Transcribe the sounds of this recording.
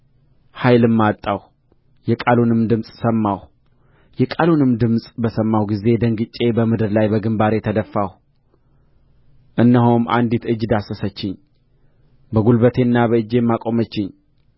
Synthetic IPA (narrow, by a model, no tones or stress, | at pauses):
hajlɨmːat̪ʼːaw | jɛkʼalunɨmd̪ɨmsʼsəmːaw | jɛkʼalunɨmd̪ɨmsʼbəsəmːawɡize̞d̪əŋɡɨt͡ʃʼe̞bəmɨd̪ɨɾlajbəɡɨmbaɾet̪ʰəd̪əfːaw | ʔɨnːəɦomʔa̰nd̪it̪ɨd͡ʒːd̪asəsət͡ʃːɪɲ | bəɡulbət̪ʰe̞nːabəɨd͡ʒːe̞mːakʼo̞mət͡ʃːɪɲ